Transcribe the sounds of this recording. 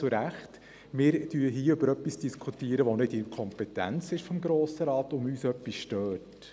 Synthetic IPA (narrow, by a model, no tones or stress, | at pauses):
t͡sʊɾæχt | mɪːɾd̥yːəɦiːʏbəɾœpːisd̥iskʰutiːəɾəʋonɪdɪkʰɔmpɛtæ̰nt͡sɪʃfɔmɡɾoːsəɾɑːtʊmyːsœpːisʃtøːt